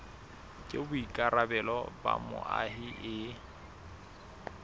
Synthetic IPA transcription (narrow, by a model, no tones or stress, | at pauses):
kʼɪbʊikʼarabɛlɔbamʊ̰ʔahɪʔɪ